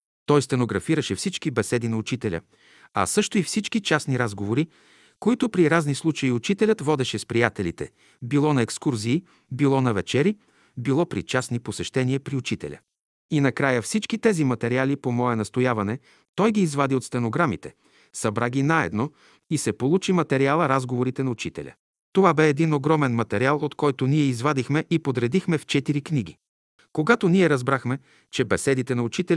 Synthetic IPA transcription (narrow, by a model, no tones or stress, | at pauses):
t̪ɔjst̪ɛnoɡɾɐfiɾəʃɛfsit͡ʃkibɛsɛd̪inɐʊt͡ʃit̪ɛlʲə̰ | ɐ̰sɤʃt̪oifsit͡ʃkit͡ʃasniɾazɡovoɾi | koit̪ʊpɾiɾaznislˠut͡ʃɐiʊt͡ʃit̪ɛlʲət̪vɔd̪ɛʃɛspɾijat̪ɛlit̪ɛ̰ | bilˠɔnɐɛkskuɾziː | bilˠɔnɐvɛt͡ʃɛɾi | bilˠɔpɾḭt͡ʃasniposɛʃt̪ɛniəpɾiʊt͡ʃit̪ɛ̰lʲə̰ | inɐkɾajəfsit͡ʃkit̪ɛzimɐt̪ɛɾialipomɔɛnɐst̪ojavɐnɛ | t̪ɔjɡiːzvad̪iot̪st̪ɛnoɡɾamit̪ɛ | sɐbɾaɡʲinaɛ̰d̪no | isɛpolˠut͡ʃimɐt̪ɛɾialˠəɾazɡovoɾit̪ɛnɐut͡ʃit̪ɛ̰lʲə̰ | t̪ovabɛːd̪inoɡɾɔmɛnmɐt̪ɛɾialˠot̪kɔjt̪oniɛizvad̪ixmɛʔipod̪ɾɛd̪ixmɛft͡ʃɛt̪iɾikniɡ̟ḭ | koɡat̪oniɛɾɐzbɾaxmɛ | t͡ʃɛbɛsɛd̪it̪ɛnɐut͡ʃit̪ɛlʲ